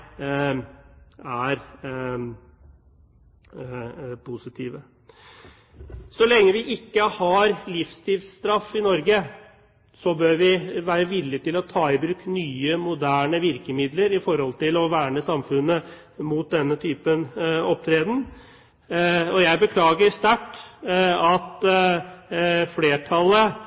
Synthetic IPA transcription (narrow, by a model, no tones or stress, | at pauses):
æɾ | pʰʊsɪt̪ʰiːʋə | sɔlɛŋːəʋɪʔɪkːəhɑɾlɪfst̪ɪlst̪ɾɑfːɪnɔɾɡə | sɔbøːɾʋɪʋæːɾəʋɪlːɪt̪ɪlɔt̪ʰɑːɪbɾʉːknyːəmʊd̪æːɳəʋɪɾkəmɪd̪ləɾɪfɔɾhɔlt̪ɪlɔʋæːɳəsɑmfʉnːə | muːt̪̚d̪ɛnːət̪ʰyːpənɔp̚t̪ʰɾeːd̪n̩ | ɔjæɪbəkʰlɑːɡəɾst̪æʈː | ɑt̪ | fleːʈʰɑlːə